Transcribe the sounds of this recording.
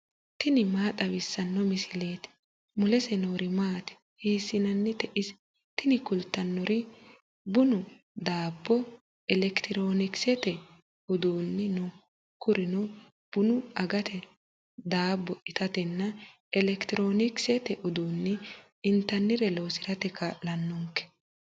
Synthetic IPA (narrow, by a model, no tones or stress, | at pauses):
t̪ɪnɪmaːt̪ʼɐwɪsːɐnːɔmɪsɪle̞ːt̪ɛ̥ | mʊlɛsɛnoːɾɪmaːt̪ɛ̥ | heːsːɪnɐnːɛt̪ɛʔɪs | t̪ɪnɪkʊlt̪ːɐnːɔɾɪ | bʊnʊ | d̪aːbːɔ | ɛlɛkt̪ɪɾo̞ːnɪksɛt̪ɛ | ʊd̪uːnːɪnɔ | kʊɾɪnɔ | b̥ʊnʊɐɡɐt̪ʰɛ | d̪aːbːɔʔɪt̪ɐt̪ɛnːɐ | ɛlɛkt̪ɪɾo̞ːnɪksɛt̪ɛʔʊd̪uːnːɪ | ɪnt̪ːɐnːɪɾɛlo̞ːsɪɾɐt̪ɛkalɐnːɔŋkɛ̥